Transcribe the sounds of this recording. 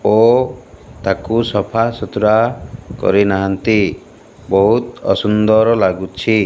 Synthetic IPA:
o | t̪akusɔpʰasɔt̪uɾakɔ̰ɾinaɦant̪i | bɔɦut̪ɔ̰sund̪ɔɾɔlaɡut͡ʃʰi

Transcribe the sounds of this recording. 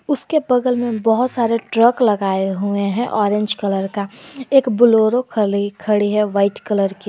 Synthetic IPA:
ʊskebɐɡəlmẽbɐɦʊt̪saːɾeʈɾəklɐɡaːeɦueɦɛ̃ʔɔːɾẽːɲd͡ʒkɐləɾkaeːkbʊloːɾokʰəlikʰɐɽiɦɛʋaːɪʈkələɾki

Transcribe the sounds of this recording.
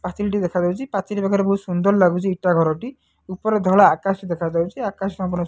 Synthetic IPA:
pasiliʈ̬id̪ekʰad͡ʒawt͡ʃʰipatʰiɾibakʰɔɾebɔɦusund̪ɔɾɔlaɡut͡ʃʰiiʈaɡʱɔɾɔʈi | upɔɾed̪ʱɔɭaːkasid̪ekʰad͡ʒawt͡ʃʰiakaskɔmpɔnɔ

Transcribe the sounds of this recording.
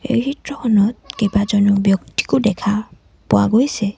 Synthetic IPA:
ḛjhitɹɔkʰɔnɔt̚kebazɔnubjɔk̚ti̥kʊdɛkʰa | pʊwaɡojsɛ

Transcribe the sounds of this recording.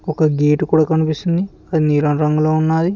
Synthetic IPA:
ɔkɐɡeːʈukuːɽaːkɐnipist̪und̪i | ɐd̪iniːɾɐnɾɐŋɡuloːunːaːɾi

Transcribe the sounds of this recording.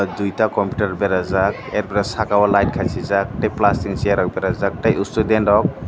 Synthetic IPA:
dujtakɔmpju̥taɾɔbeɾazak̚eɾpeɾasakawalajt̚kʰajsizak̚tajplastiŋsiaɾawbeɾazak̚tajustudendɔk̚

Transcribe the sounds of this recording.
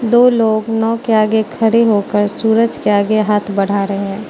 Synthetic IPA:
d̪oːloːɡnɔːkeaːɡekʰɐɾeɦoːkəɾsuːɾəd͡ʒkeaːɡeɦaːt̪ʰbɐɽ̤aɾɐɦeɦɛ̃ː

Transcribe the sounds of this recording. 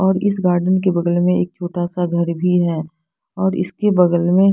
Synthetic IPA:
ɔːɾɪsɡaːɾɖənk̬ebɐd̪əlmẽeːk̚t͡ʃʰoːʈasaɡʱɐɾbʱiɦɛː | ɔːɾɪ̰skebɐd̪əlmẽ

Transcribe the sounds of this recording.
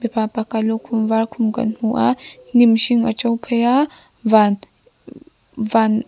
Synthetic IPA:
bepapakalokʰumvaɾkʰumɡa̰nhuʔanimʃiŋa̰t͡ʃawpʰeja | van | van

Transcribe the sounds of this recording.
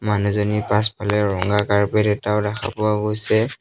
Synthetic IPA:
manuzɔnipaspʰalɛɹɔŋɡakaɹpɛdɛtaʊdaxʰa̰pʊwaɡojsɛ

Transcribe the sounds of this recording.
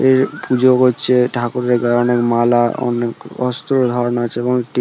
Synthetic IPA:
eɾpud͡ʑokɦotːɕʰeʈʰakuɾɾeɡaɔnekmalaɔ̰nekɔ̰st̪ɾod̪ʱɔɾnaat͡ɕʰeeboŋekʈi

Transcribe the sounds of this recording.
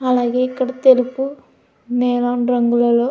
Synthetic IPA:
ɐlaːɡeikːɐɽɐt̪elupu | neːlaːnɾɐŋɡulɐlo

